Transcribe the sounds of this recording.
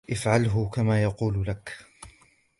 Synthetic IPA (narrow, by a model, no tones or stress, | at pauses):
ʔɪfʕalɦʊkamaːjɑquːllak